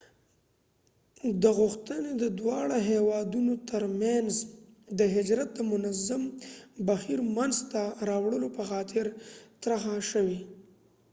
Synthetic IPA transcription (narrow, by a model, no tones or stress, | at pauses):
d̪əɣʊxt̪əned̪əd̪wɑɽaɦewɑd̪unot̪əɾmjanzd̪əɦɪd͡ʒɾat̪̚d̪əmʊnazambaxiɾmanzt̪aɾɑwɽəlopəxɑt̪ʰɪɾt̪ɾaxaʃəwi